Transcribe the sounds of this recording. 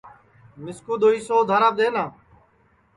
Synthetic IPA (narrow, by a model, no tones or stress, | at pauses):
mɪskuːd̪oːiːsoːd̪ʱaːɾaːb̚d̪eːnaː